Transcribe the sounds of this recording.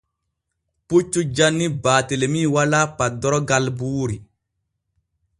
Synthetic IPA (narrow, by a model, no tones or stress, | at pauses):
put͡ʃːud͡ʒanːibaːtelemiːwalapadɔɾɔɡalbuːɾi